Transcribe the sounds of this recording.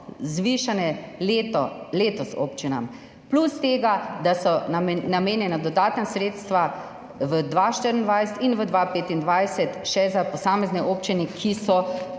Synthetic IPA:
zʋiʃanɛ | leːt̪ɔso̰ːpt͡ʃina̰m | plust̪eːɡad̪asɔnameːnjɛnad̪ɔd̪aːt̪nasɾeːt̪st̪ʋa | ʋəd̪ʋaʃt̪əɾind̪ʋajsɛ̥t̪inʋəd̪ʋapeːt̪ind̪ʋajsɛt̪ʃɛzapɔsaːmɛznɛʔoːpt͡ʃinɛkʰisɔ

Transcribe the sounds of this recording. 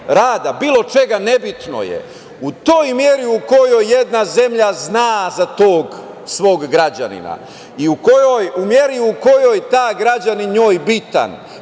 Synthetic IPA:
ɾaːd̪abiːlˠo̞t͡ʃe̞ɡane̞bit̪no̞̰jḛ | ut̪o̞ːjmje̞ɾiuko̞jo̞jːe̞d̪naze̞mʎaznaːzat̪oːɡ | sʋo̞ːɡːɾad͡ʑa̰nḭna̰ | iukojojumje̞ɾiuko̞jo̞jt̪aːɡɾad͡ʑaniɲoːjbit̪a̰n

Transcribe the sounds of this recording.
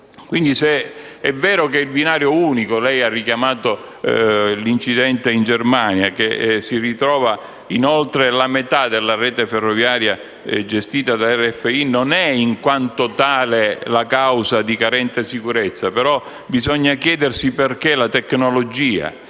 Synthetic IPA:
kwind̪iseɛvːɛːɾok̬eilbinaːɾjouːnikolɛjarːikjamaːt̪o | lint͡ʃid̪ɛnt̪eind͡ʒermanjak̟esirit̪ɾɔːva | inolt̪ɾelamet̪ad̪elːarɛːt̪eferːɔvjaːɾja | d͡ʒest̪iːt̪ad̪aɛrːeɛfːeinonɛiŋkwant̪ot̪aːlelakawsad̪ikaɾɛnt̪esikuɾet̪sːapeɾɔ | bizɔɲːakjɛːd̪ersiperkelat̪ekːnolod͡ʒiːa̰

